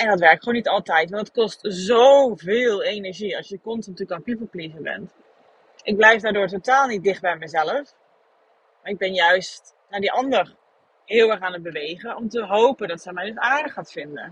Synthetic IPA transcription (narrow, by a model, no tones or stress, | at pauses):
ɛndɔtʋɛɹk̚tχonitɑlˠtɛjtʋɑntətkɔstzowvɪːlˠejnɛɹʒiɑlˠsjəkɔntntykaːnpipəplivəbɛ̰nt | ʔɪɡ̚blɛjfdaːɹdʊːɹtotaːlˠnit̚dɪχt̚bɛjmɛjzɛləf | maːɹɪɡ̚bɪnjœɥstt | naːdiʔɑndər | ɦɪːlˠʋɛɹχaːnəd̚bəʋejɣənɔmtəɦowpəndɔtsɛjmɛjdəsaːɹdəχːaːtfɪndə̰